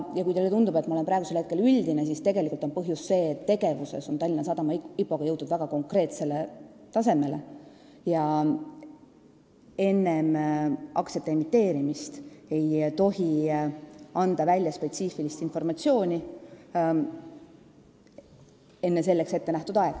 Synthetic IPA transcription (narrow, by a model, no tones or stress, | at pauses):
jɑkujd̪elet̪und̪ube̞t̪ːˑmɑoe̞mpɾɑeɡuselhe̞t̪ke̞lylʲd̪̥ines̬ist̪e̞ɡe̞likult̪onpɤɦjusːe̞ːt̪ːe̞ɡ̥e̞vuse̞̰so̞nt̪ɑlʲːinɑs̬ɑd̪ɑmɑipːˑo̞ɡ̥ɑjɤwt̪ːˑud̪væɡ̥ɑko̞ŋkˑre̞ːt̪se̞le | t̪ɑse̞me̞le̞ | jɑ | e̞nːe̞mʔɑkse̞t̪ːeemit̪ːˑe̞ːɾimist̪e̞jt̪o̞ɦi | ɑnd̪̥ɑvælʲjɑspe̞t̪siːfilist̪info̞rmɑt̪sio̞ːnʲi | e̞nːe̞se̞lːe̞kset̪ːe̞næht̪ud̪ɑeɡ̥